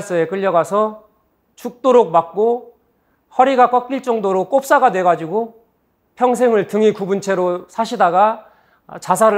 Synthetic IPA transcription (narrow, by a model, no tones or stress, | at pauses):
s͈ʌe̞k͈ɯʎːʌɡasʰʌ | t͡ɕuk̚t͈oɾok̚mak̚k͈o | hʌɾiɡak͈ʌk͈iɭt͡ɕ͈ʌŋdoɾok͈op̚s͈aɡadwe̞ɡad͡ʑiɡo | pʰjʌŋs̬ʰe̞ŋɯɭtɯŋikubunt͡ɕʰe̞ɾosʰaɕʰidaɡa | t͡ɕas̬ʰaɾɯ